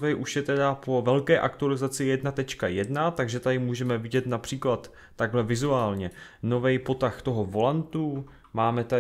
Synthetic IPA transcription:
vɛjʔuʃjɛt̪ɛdapo̞vɛlkɛːʔakt̪ualɪzat͡sɪjɛdnat̪ɛt͡ʃkajɛdnat̪aɡʒɛt̪adɪmuːʒɛmɛvɪɟɛt̪napr̝̥iːklat̪ː | aɡɦlɛvɪzuaːlɲɛ | no̞vɛjpo̞t̪axt̪o̞ɦo̞vo̞lant̪u | maːmɛt̪a

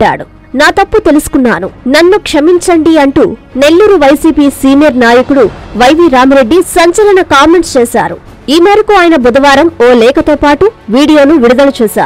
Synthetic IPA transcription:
a̰ːɽu | naːt̪ɐpːut̪e̞lusu̥kunːa̰ːnunɐnːukʂɐmiɲt͡ʃɐɳɖiɐɳʈṵː | ne̞lːuːɾuʋɐjsiːpiːsiːnijɐɾnaːjɐkuɽuʋɐjʋiɾaːmɐɾe̞ɖːisɐɲt͡ʃɐlɐɳɐkaːmeɳʈst͡ʃɛːsa̰ːɾu | iːmeːɾɐkuaːjɐnɐbud̪ɐʋaːɾɐmoːlɛːkɐt̪oːpaːʈuʋiːɽijo̞ːnuʋiɽud̪ɐlɐt͡ʃuːsa̰ː

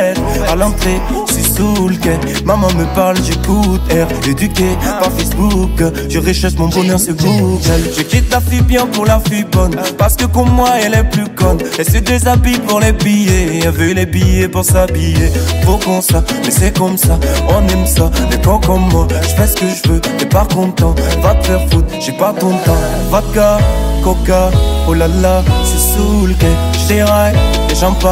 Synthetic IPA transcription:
ɛt̪ | alɑ̃t̪χe | sisulkɛ | mamɑ̃məpaʁlʒekut̪ɛʁed̪ykʲepaʁfɛsbuk | ʒəʁeʃɔfmɔ̃bɔnœʁsɛvuʒəkʲit̪̚mafibjɛ̃puʁlafibɔnpaʁsə̥kəkɔmːwaɛlɛplykɔnɛsɛd̪øzabipɔ̃ʁlɛbijeavɛlebijepuʁsabijepukɔ̃samɛsɛkɔmsaɔ̃nɛmsamɛpɔkɔmːwaʒ̥əfɛsə̥kəʒəvødɛpakɔ̃t̪ɑ̃vad̪əfɛʁfot̪̚ʒ̥ɛpat̪ɔ̃t̪ɑ̃ | vad̪̚ɡakɔkaolalasesulkɛ̃ʒt̪ɛaj | ɛʒɑ̃pa

